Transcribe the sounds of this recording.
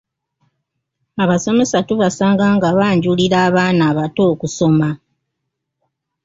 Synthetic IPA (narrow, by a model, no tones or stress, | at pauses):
aβaso̞me̞satuβasaːŋɡaːŋɡaβaːɲɟuliɾaːβaːnaːβato̞ːkuso̞ma